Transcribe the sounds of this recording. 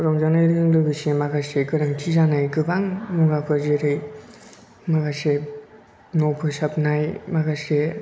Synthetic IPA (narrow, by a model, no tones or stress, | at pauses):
ɾɔmzanajɾɯɯŋlɯbɯsemaɡaseɡɯɾaŋtʰizanajɡɯbaŋmɯɡapʰɯzeɾɯj | maɡase | nopʰɯsapnajmaɡase